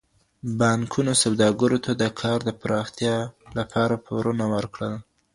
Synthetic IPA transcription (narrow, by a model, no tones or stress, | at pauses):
bɑŋkʰunosawd̪ɑɡaɾot̪ʰad̪əkʰɑɾd̪əpɾɑxt̪jɑlapʰɑɾapʰoɾunawəɾkɽəl